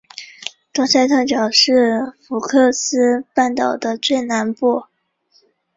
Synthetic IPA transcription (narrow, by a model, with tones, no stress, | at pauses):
t̪ɑ˥ŋsa˥˧ɪt̪ʰa˥˩t͡ɕjɑ˨˩ʊʂɻ̩˥˩fu˨˥kʰɤ˥˧˩sɹ̩˥pa˥˩nt̪ɑ˨˩ʊd̪ə˦t͡swe˥˩ɪna˧˥npu˥˩